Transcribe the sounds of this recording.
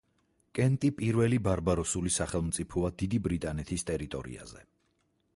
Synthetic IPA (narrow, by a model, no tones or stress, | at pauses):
kʼɛnt̪ʼipʼiɾvɛlibaɾbaɾɔsulisaχɛlˠmt̪sʼipʰɔad̪id̪ibɾit̪ʼanɛt̪ʰist̪ʼɛɾit̪ʼɔ̰ɾḭa̰zɛ